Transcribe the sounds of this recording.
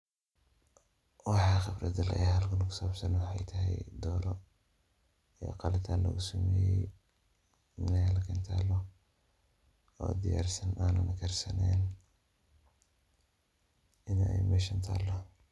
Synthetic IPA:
wɑħɑχɪbrɐd̪ɐlɐ̰hɐlkʰɐlkʰʊ̥sɐɐbsɐnwɑħɑjt̪ʰɐɦɛ̰jd̪ɔːɾɔ | ɛ̰qɑlɪt̪ʰaːnlɐ̰ɣʊsɐmɛːjɛj | nɛjlɐkʰɐnt̪ʰaːlɔ | ɔ̰ːd̪ɪja̰ːrsɐnʔaːnɐ̰nʔɐkʰɛrsɐnɛːn | ɪnɛ̰jmɛʃɐnt̪ʰa̰ːlːɔ

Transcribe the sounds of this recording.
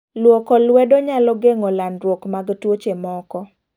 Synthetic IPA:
lwokɔlwɛdoɲalɔɡeŋɔlanɾwokmaɡtwot͡ʃemɔkɔ

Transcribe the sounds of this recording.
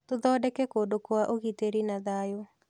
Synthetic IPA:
toðɔːdɛkɛkodokoaʔoɣiteɾinaðajo

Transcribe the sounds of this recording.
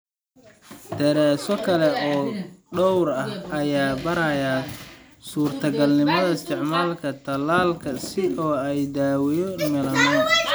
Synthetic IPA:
d̪̥ɐɾaːsɔkʰɐlɛɔːɖɔwɾɐhɐjaːbɐɾɐja | suːrt̪ʰɐɡɐlnɪmɐðɐɪst̪ʰɪʕmaːlkʰɐt̪ʰɐlaːlkʰɐsɪɔːɛjd̪aːwɪjɔmɛlɐnɛːn

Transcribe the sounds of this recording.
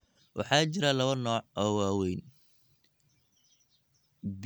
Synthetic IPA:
wʔɑ̰ħɑːt͡ʃɪɾɐlɐβɐnɔːʕʔɔːwaːwɛjn | b

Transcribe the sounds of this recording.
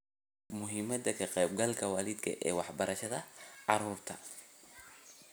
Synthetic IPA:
mʊɦiːmɐd̪ɐkʰɐqɛːb̚ɡɐlkʰɐwɑːlɪd̪kʰɐ̰ʔɛːwɑħbɐɾɐʃɐðɐʕɑɾuːrt̪ʰɐ

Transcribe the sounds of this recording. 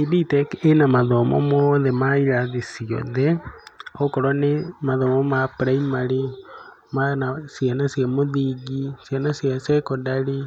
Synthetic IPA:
ibitɛkenamaðɔmɔ̰mɔðɛmaiɾaðisiɔ̰ðɛɔkɔɾɔnemaðɔmɔmapɾaimaɾi | manasjanasjamoðiɡisjanasiasɛkɔdaɾi

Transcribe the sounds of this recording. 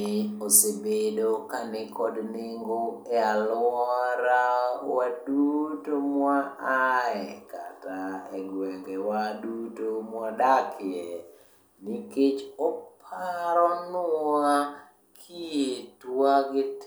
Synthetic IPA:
ɪosebedokanɛkɔdnɪŋɡoɛalɔɾawadutomwaʔaɛka̰taɛɡwɛŋɡɛwadutomwadakʰɪɛ | niket͡ʃɔpʰaɾɔna | kʰietwwaɡɪt

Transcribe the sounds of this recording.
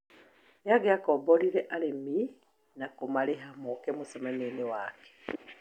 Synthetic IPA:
neaɡeakɔbɔɾiɾɛʔaɾemi | nakomaɾeɦamokɛmosɔmanenewakɛ̥

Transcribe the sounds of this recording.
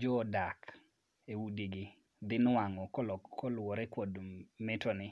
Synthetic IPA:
d͡ʒɔdak | ewudiɡɪ | d̪ɪnwaŋɔkɔɔkɔlwɔɾɛkodmɪtɔnɪ

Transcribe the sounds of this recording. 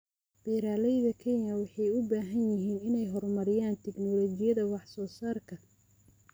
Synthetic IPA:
b̥ɛːɾaːlɛjðɐkʰɛnjɐwɑħɑjʊbaːɦɐnjɪɦiːnɪnɛjɦɔrmɐɾɪjaːnt̪ʰɛɡnɔːlɔt͡ʃɪjɐðɐwɑħsɔːsaːrkʰɐ

